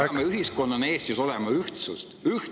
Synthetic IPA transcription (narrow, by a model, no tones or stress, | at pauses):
meyɦisko̞nːɑne̞ːst̪iso̞lemɑyht̪sust̪yh